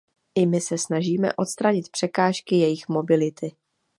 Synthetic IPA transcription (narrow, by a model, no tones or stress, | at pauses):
ʔɪmɪsɛsnaʒiːmɛ̰ʔo̞t̪st̪ɾaɲɪt̪pr̥ɛkaːʃkɪjɛjɪxmo̞bɪlɪt̪ʰɪ